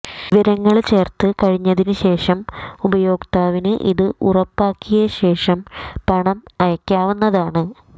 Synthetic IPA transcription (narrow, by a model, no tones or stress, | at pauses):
ʋɐɾɐŋːɐɭt͡ɕe̞ːrt̪ɨkɐɻiɲːɐðinɨɕe̞ːʂɐmubɐjo̞ːɡt̪aːʋinɨʔḭðɨʔurɐpːaːkːijɐɕe̞ːʂɐmpɐɳɐmɐjɐkʲːaːʋunːɐðaːɳɨ